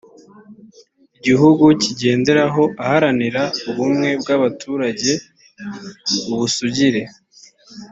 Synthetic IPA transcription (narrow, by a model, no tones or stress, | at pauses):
iɟiɦuɡuciɟe̞ːnde̞ɾaɦo̞ʔahaɾaniɾauβumŋe̞b̚ɡaβatʰuːɾaɟe̞ | uβusuɟiɾe̞